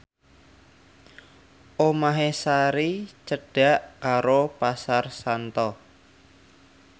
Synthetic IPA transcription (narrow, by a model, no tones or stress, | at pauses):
ʔomaɦesaɾit͡ʃəɖ̥a̤ʔkaɾopasarsant̪ɔ